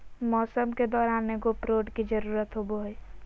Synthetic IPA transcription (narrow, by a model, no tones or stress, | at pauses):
mɔːsəmked̪ɔːɾaːneɡopɾoːɖkid͡ʒəɾuːɾət̪ɦoboɦj